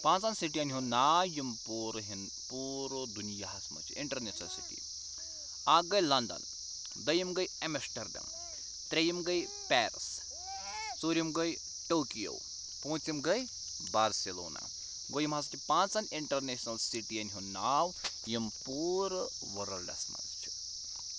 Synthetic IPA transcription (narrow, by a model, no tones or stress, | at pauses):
pãːnt͡sanʲsiʈiɐnɦunaːjimpuːɾɦin | puːɾd̪unijaɦɐsmɐ̰t͡ʃʰḭiɳʈɐɾneːsnɐlsḭʈḭ | aɡɐjlɐnd̪ɐ̰n | d̪ɐjimɡɐjemesʈɐɾd̪ɐ̰m | t̪ɾejimɡɐj | pɛːɾs | suɾimɡɐj | ʈoːkijo̰w | poːt͡simɡɐj | baːɾselo̰ːna̰ | ɡojimɦɐst͡ʃʰipãːnt͡sɐnʲiɳʈɐɾneːʃnɐlsiʈiɐnɦunaːw | jimpuːɾ | ʋɐɾɐlɐ̰smɐ̰zt͡ʃʰi̥